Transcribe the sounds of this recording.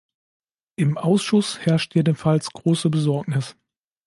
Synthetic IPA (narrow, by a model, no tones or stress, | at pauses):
ʔɪmʔaʊsʃʊshɛɐʃtjeːdənfalsɡ̥ʁoːsəbəzɔɐknɪs